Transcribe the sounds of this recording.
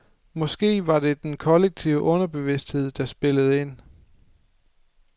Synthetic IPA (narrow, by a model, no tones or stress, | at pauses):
mɒ̽sɡ̥e̝̰ːʋɑ̈d̥e̝d̥enkʰɒ̽leɡ̥̚t͡sʰiʊəʔɔ̽nɐb̥e̝ʋe̝sd̥he̝ð̞̰ˠd̥ɑ̈sb̥e̝ləð̞̩ˠe̝n̰